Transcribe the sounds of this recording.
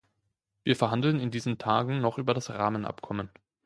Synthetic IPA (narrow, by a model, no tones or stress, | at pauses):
viːɐfɛɐɦandl̩nɪndiːzən̩tʰaːɡŋ̩nɔχʔyːbɐɾasʁaːmənʔa̰pkʰɔmən